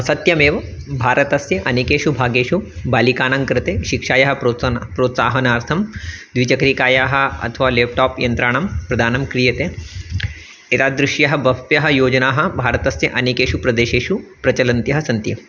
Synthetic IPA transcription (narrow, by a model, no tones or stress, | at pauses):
sɐt̪jɐmeːʋɐ | bʱaːɾɐt̪ɐsjɐʔɐnikeːʃubʱaːɡeːʃubaːlikaːnɐŋkɾɨt̪eːʃikʂaːjɐɦɐ̆ɾopɾoːt̪saːɦɐnaːɾt̪ʰɐmd̪ʋit͡ʃɐkɐɾikaːjaːɦɐ̆ɐ̰t̪ʰɐʋaːleːp̚ʈɔːpjɐnt̪ɾaːɳ̃ɐmpɾɐd̪ʱaːnɐmkɾijɐt̪eː | et̪aːd̪ɾɪʃjɐɦɐbɐpjɐɦɐ̆joːd͡ʒɐnaːɦɐ̆bʱaːɾɐt̪ɐsjɐʔɐnikeːʃupɾɐd̪eːʃeːʃupɾɐt͡ʃɐlɐnt̪jɐɦɐsɐnt̪jɐ